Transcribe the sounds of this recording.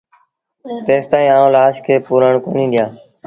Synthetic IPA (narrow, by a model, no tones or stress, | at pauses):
t̪eːst̪aːĩːaːũːlaːʃkʰeːpuːɾəɳkoːnĩːɗ̪ɪjãː